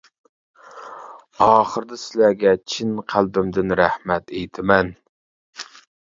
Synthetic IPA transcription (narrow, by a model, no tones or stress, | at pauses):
ɑːχəɾd̪ɨsɪlæɡʲɛt͡ʃʰinqʰælˠbɪmd̪ɪnɾæhmɛt̪ejt̪ʰɪmɛn